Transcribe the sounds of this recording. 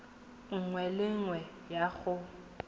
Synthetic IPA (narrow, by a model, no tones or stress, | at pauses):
ŋ̩ŋwɛlɪŋwɛ | jaɣʊ